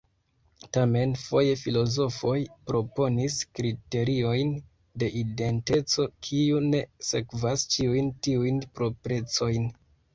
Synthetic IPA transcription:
tame̞nfo̞je̞filo̞zo̞fo̞jpɾo̞po̞niskɾite̞ɾio̞jn | de̞ʔide̞nte̞t͡so̞kʰiune̞se̞kvast͡ʃiujntiujnpɾo̞pɾe̞t͡so̞jn

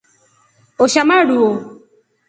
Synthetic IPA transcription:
oʃamaɖuo

